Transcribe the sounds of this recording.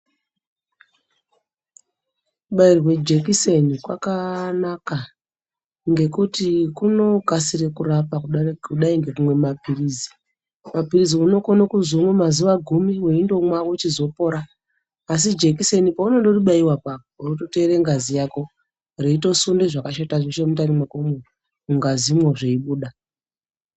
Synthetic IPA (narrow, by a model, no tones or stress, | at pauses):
uɓairwe̞d͡ʒe̞kisenikwakanaka | ŋɡe̞kutikuno̞ɡʱasirekurapakuuɗaiŋɡe̞kumwe̞mapirizi | mapiriziuno̞konokuzomwemaziʋaɡʱumiweindo̞mwawot͡ʃizo̞po̞ɾaː | s̬id͡ʒekisenipauno̞ndo̞riɓaiwapakourutote̞ɾeŋɡazijako̞ | reito̞sundeʐakaʃataʐiʃemutanimakome | uŋɡazimwoʐeiɓuːɗa